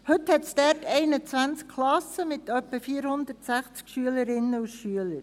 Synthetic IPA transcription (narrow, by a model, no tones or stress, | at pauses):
hʏt̪hɛtsdɛɾtɛɪnət͡sʋænt͡skʰlɑsəmɪt̪œpːəfiːɾhʊnd̪ərtsæχt͡skʃyələɾɪnːəusʃyələɾ